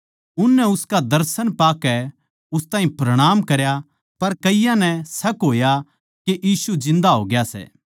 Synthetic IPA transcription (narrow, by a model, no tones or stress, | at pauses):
ʊnːɛʊskad̪ɐɾsənpaːkɛ | ʊst̪ãːɦĩpɾɐɽ̃aːmkɐɾja | pɐɾkɐɪjãnɛsɐkɦoːja | keʔiːsud͡ʒɪ̃nd̪aɦoːɡjasɛ̰ː